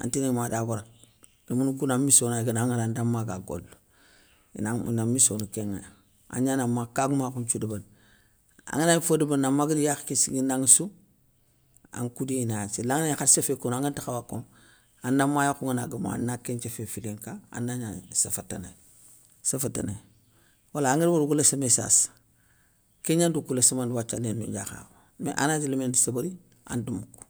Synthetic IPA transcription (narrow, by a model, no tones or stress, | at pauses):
a̰ntinaimadabuɾa | imunuɡunamisonaɡənaŋanandamːaɡaɡo̰lːo̰ | nanamisonukeŋa̰ja | a̰ɲanamakaɡumakunt͡ʃudəban | a̰ŋənafədəbanːamːaɡədijaxkisiɡinaŋsu | a̰ŋkudiinaat͡ʃelaŋnaɲaxaɾsefekonaŋɡantixawako̰m | anːamajakuŋinaɡəma̰a̰nːakent͡ʃefefileŋkaa̰nːaɲasafata̰na̰ | safata̰nḛ | walaːŋiɾbaɾuɡulesamesa̰s | keɲandukulesimandwat͡ʃːalendṵɟa̰xa̰w | mḛʔa̰nad͡ʒilimendusabaɾi | a̰ndumuku̥